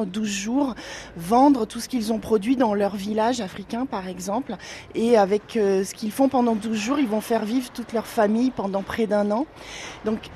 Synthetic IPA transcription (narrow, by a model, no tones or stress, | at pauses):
d̪uzʒuʁvɑ̃d̪ʁət̪usə̥kilzɔ̃pχɔd̪ɥid̪ɑ̃lœʁvilaʒafχikʲɛ̃paʁɛɡzɑ̃pleavɛkøsə̥kʲilfɔ̃pɑ̃d̪ɑ̃d̪uzʒuʁilvɔ̃fɛʁvivʁət̪ut̪lœʁfamijpɑ̃d̪ɑ̃pχɛd̪ɛ̃nɑ̃ | d̪ɔ̃k